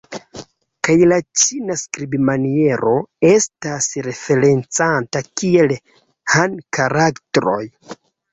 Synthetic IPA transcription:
kajlat͡ʃinaskɾibimanie̞ɾʔo̞e̞stasɾe̞fe̞ɾe̞nt͡santakie̞l | hankaɾaktɾo̞̰j

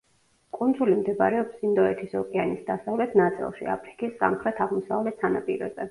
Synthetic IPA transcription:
kʼund̪zulimd̪ɛba̰ɾɛɔpsind̪ɔɛt̪ʰisɔkʼɛanisd̪asavlɛt̪ʰnat̪sʼḭlˠʃḭa̰pʰɾikʼisːa̰mχɾɛt̪ʰaʁmɔsavlɛt̪sʰanapʼḭɾɛ̰zɛ̰

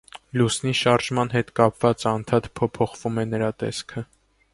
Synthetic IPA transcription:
lusniʃɑɾʒmɑn̪ɦɛt̪kɑpvɑt͡sɑnt̪ʰɑt̪pʰɔpʰɔχvumɛnəɾɑt̪ɛ̰skʰə

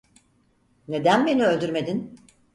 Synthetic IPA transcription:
ne̞d̪ænbeniø̞lʲd̪yɾme̞d̪in

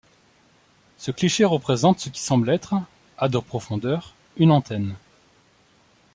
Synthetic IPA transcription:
səkliʃeʁəpχezɑ̃t̪səkʲi̥sɑ̃blɛt̪χ | ad̪ɔpχɔfɔ̃d̪œʁ | ynɑ̃t̪ɛn

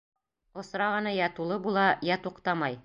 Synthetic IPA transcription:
ŏsɾɑʁɤ̆nɑjɑt̪ulˠɤbulˠɑjæt̪uqt̪ɑmɑj

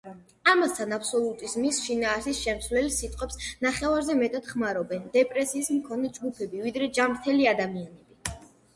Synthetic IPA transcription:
amast̪ʰanapʰsɔlˠut̪ʼizmisʃinaːsisʃɛmt̪sʰvlɛlisit̪ʼqʼwɛpsnaχɛvaɾzɛmɛt̪ʼad̪̥χmaɾɔbɛnd̪ɛpʼɾɛsiːsmkʰɔnɛd͡ʒɡupʰɛbivid̪ɾɛd͡ʒamɾt̪ʰɛliad̪amianɛbi

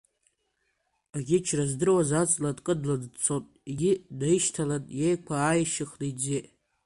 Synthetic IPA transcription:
aɡʲɪt͡ʃʰrazdɨrwazat͡sʼladʼkʼɨdladt͡sʰotʼeɡʲɪdaiʃtʰalanʼjejkʷʰaːjʃɪχlid͡zeʔ

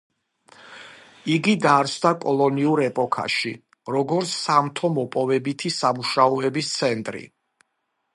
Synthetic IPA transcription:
iɡid̪aɾt̪sʰd̪akʼɔlˠɔniuɾɛpʼɔkʰa̰ʃi | ɾɔɡɔɾt̪sʰːamt̪ʰɔmɔpʼɔvɛbit̪ʰisamuʃaɔɛbist̪sʰɛnt̪ʼɾḭ

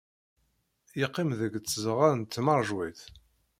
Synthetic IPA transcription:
jiqːimðəɡt͡sːəzəʁaɾənt̪ːmɑɾˤʒwiθ

